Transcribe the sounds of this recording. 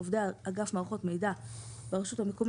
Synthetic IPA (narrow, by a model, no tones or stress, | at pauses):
ovdeaɡafmaʁχo̞tme̞jdabeʁeʃuthamekom